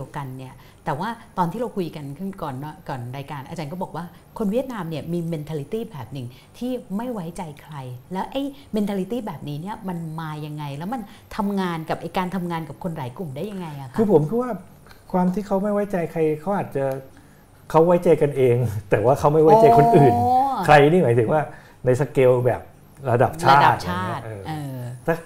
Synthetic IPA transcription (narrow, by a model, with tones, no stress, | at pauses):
di˧əwka˧nːi˥˩ɐ | t̪ɛː˨˩waː˥˩t̪ɔː˧nt̪ʰiː˥˩ɾa˧wkʰu˧jka˧nkʰɯ˥˩nkɔː˨˩nːɔ˦˥kɔː˨˩nɾaː˧jkaː˧nʔa˧t͡ɕaː˧nkɔː˥˩bɔː˨˩k̚waː˥˩ | kʰo˧nwi˥˩ət̪̚naː˧mni˥˩ɐmiː˧me˧nt̪ʰaː˧li˧˦˥t̪iː˥˩bɛː˨˩p̚nɯ˨˩ŋ | t̪ʰiː˥˩ma˥˩jwa˦˥jt͡ɕa˧jkʰɾa˧jlɛː˦˥wʔa˧˩jme˧nt̪ʰa˧li˧˦˥t̪iː˥˩bɛː˨˩p̚niː˦˥ni˥˩ɐma˧nmaː˧ja˧ŋːa˧jlɛː˦˥wma˧n | t̪ʰa˧mŋaː˧nka˨˩p̚ʔa˧jkaː˧nt̪ʰa˧mŋaː˧nka˨˩p̚kʰo˧nɾaː˩˦jklu˨˩mdaː˥˩ja˧ŋːa˧jʔa̰˨˩kʰkʰɯː˧pʰo˩˦mkʰɯ˧˥˩waː˥˩ | kʰwaː˧mt̪ʰiː˥˩kʰa˦˥wma˥˩jwa˦˥jt͡ɕa˧jkʰa˧jkʰa˦˥wʔaː˨˩t̪̚t͡ɕa˨˩ | kʰa˦˥wːa˦˥jt͡ɕa˧jka˧nʔeː˧ŋt̪ɛː˨˩waː˥˩kʰa˦˥wma˥˩jwa˦˥jt͡ɕa˧jkʰo˧nʔɯː˨˩nnkʰɾa˧jniː˥˩maː˩˦t̪ʰɯ˨˩˦ŋwaː˥˩ | na˧jsa˧keː˧wbɛ̰ː˨˩p̚ | ɾa˧da̰˨˩p̚t͡ɕʰaː˧˥˩da˩˨t̪̚t͡ɕʰaː˧˦˥t̪ʔːʔɤː˧t̪ʰːaː˥˩